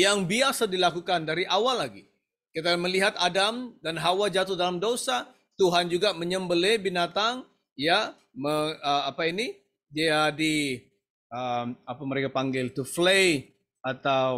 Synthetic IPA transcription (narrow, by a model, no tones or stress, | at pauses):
jaŋbiasadilakukandaɾiʔawalːaɡi | kit̪̬aməliɦat̪adamdanɦawad͡ʒat̪ʊhdalamdosa | t̪uɦand͡ʒuɡaməɲəmbəlebinat̪aŋ | ja | məəapaini | diadi | əmapaməɾekapaŋɡɪlt̪uflej | at̪aw